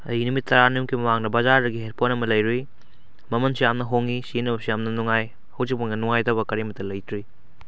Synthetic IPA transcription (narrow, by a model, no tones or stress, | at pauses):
ɐ̰jinumittːɐɾanumkimɐmaŋnɐbazaɾdɐɡiɦeɾ̚pʰotnɐmɐlɐjɾij | mɐmɐnsijamnɐɦoŋisinɐbɐpsijamnɐnuŋaj | hɐwzik̚mɐŋɐnuŋajtɐwbɐkɐɾimɐtːɐlɐjtɾi